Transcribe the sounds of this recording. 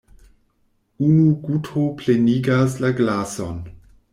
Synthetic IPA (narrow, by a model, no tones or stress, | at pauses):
unuɡutʰopʰleniːɡaslaɡlasɔ̰n